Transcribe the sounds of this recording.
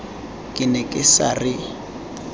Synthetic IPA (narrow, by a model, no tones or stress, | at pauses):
kʼɪnɛkʼɪsarɪ